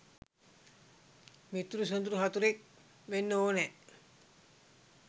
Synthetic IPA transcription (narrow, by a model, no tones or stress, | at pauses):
mit̪ːuɾus̬ond̪uɾuɦat̪uɾek̚ | ʋenːəoːnɛ